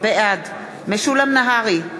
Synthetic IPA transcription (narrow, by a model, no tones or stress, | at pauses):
beʔad̪ | meʃulamnaɦaʁi